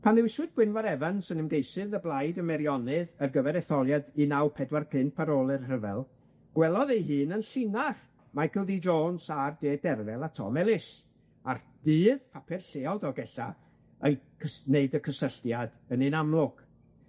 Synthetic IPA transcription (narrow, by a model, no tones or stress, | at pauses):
pʰanðɛwɪswɨd̚bwɪnvaɾɛvansənɪmɡejsɨðəblˠajdəmɛɾjɔnɨðərɡəvɛɾɛθɔlˠjadinawpʰɛdwarpʰɪnpʰaɾoːlˠɛrrəvɛ̰lˠ | ɡ̥wɛlˠɔðejɦɨːnənɬɪnaχ | majkəlˠdid͡ʒoːnsardeːdɛrvɛlˠatʰɔ̰mɛlˠɪs | ard̥ɨːðpʰapʰɛrɬeːɔðɔɡɛɬa̰ | ənkʰəneɨdəkʰəsəɬtjad | ənɨnamlˠʊɡ̥